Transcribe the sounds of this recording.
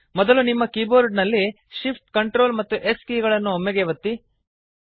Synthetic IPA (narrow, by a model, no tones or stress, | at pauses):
mɔd̪ɐlunimːɐkiːboːɾɖnɐlːi | ʃipʰʈkɐɳʈɾoːlmɐt̪ːuʔeskiːɡɐɭɐnːuɦɔmːɛɡeʋɐt̪ːi